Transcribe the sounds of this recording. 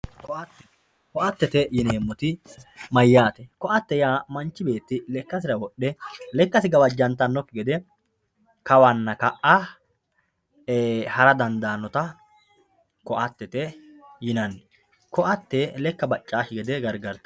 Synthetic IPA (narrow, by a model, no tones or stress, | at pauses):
kɔʔɐt̪ː | kɔʔɐt̪ːɛt̪ɛjɪneːmːɔt̪ɪmɐjːaːt̪ɛkɔʔɐt̪ːɛjaːmɐnt͡ʃːɪbe̞ːt̪ːɪlɛkːɐs̬ɪɾɐwɔɗɛlɛkːɐsɪɡɐbɐd͡ʒːɐnt̪ːɐnːɔkːɪɡɛd̪ɛ | kɐwɐnːɐkɐʔa | hɐɾɐd̪ɐnd̪aːnːɔt̪ɐ | kɔʔɐt̪ːɛt̪ɛjɪnɐnːɛ | kɔʔɐt̪ːɛlɛkːɐbɐt͡ʃʼːaːʃɪɡɛd̪ɛɡɐɾɡɐɾt̪ɛ̥